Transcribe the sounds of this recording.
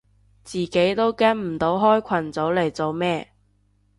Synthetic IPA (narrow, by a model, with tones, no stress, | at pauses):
t͡siː˨ke˨˥jt̪o˥wkɛː˥nm̩˨˩t̪o˨˥wɦɔː˥jkʷʰɐ˨˩nt͡so˨˥wle˨˩jt͡so˨wmɛː˥